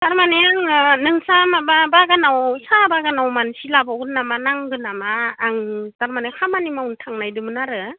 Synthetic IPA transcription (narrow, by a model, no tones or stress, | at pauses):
taɾmaneaŋnɯŋsamababaɡanawsabaɡanawmansilabaɡɯnːamanaŋɡɯnamaːŋtaɾmanakʰamanimauntʰaŋnajdɯmɯnaɾɯ